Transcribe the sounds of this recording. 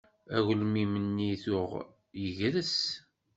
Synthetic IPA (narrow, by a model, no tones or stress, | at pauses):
æwlmimənːiθʊʁ | jəʝɾəs